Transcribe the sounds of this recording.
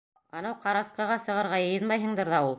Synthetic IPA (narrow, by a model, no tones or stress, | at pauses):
ɑnɑwqɑɾɑsqɤ̆ʁɑsɤ̆ʁɤ̆ɾʁɑjɤ̆jɤnmɑjɦɤ̆ɴd̪ɤɾðɑulˠ